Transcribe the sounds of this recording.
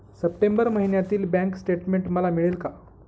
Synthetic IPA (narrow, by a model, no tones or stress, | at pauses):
səp̚ʈembəɾməɦinjat̪iːlbɛ̃ŋksʈeʈmeɳʈməlamiɭelka